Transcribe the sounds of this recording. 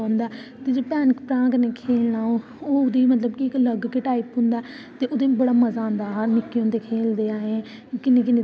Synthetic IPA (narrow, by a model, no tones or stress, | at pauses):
nd̪aːt̪eːd͡ʒeːpɛːnkpɾãːkəneːkʰeːlnaːo | oːʊd̪eːmət̪ləbkɪɪkləɡkɪʈaːipɦʊ̃nd̪aɛ | t̪eːʔʊd̪eːbəɽaːməzaːnd̪aːnɪkːeɦõːnd̪eːkʰeːld̪eːaːɦẽ | kɪneːk̬ɪneː